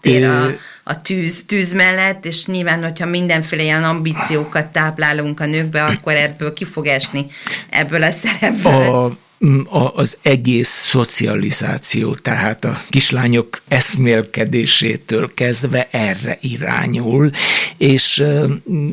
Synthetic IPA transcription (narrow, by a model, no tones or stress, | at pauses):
ø | ɒ̰t̪yːzt̪yːzmɛlːɛt̪ːeːʃɲilvaːnho̞cʰhɒmind̪ɛɱfeːlɛjɛnɒmbiːt̪sijoːkɒt̪ːaːplaːluŋkɒnøːɡbɛɒkːo̞ɾɛbːøːlkifo̞ɡɛʃniɛ̰bːøːlɒsɛɾɛbbø | ɒʔzɛɡeːsːo̞t̪siɒliza̰ːt̪sijo̰ːt̪ɛɦaːt̪ɒkiʃlaːɲo̞kɛsmeːlkɛd̪eːʃeːt̪øːlkɛzd̪ʋɛʔɛrːɛ̰ʔiɾa̰ːɲuleːʃ